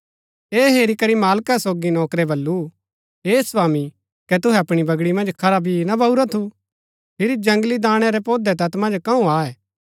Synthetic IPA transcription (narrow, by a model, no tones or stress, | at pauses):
eːɦeːɾikɐɾimaːlkasoːɡinɔːkɾɛbɐlːu | ɦeːsʋaːmi | kɛt̪ʊɦɛɐpɽ̃ibɐɡɽimɐ̃nd͡ʒkʰɐɾabʱinɐbɐuɾat̪ʰu | pʰɪɾid͡ʒɐ̃ŋɡlid̪ãːɽ̃ɛɾɛpoːd̪ɛt̪ɐt̪mɐ̃nd͡ʒkɐũaːɛː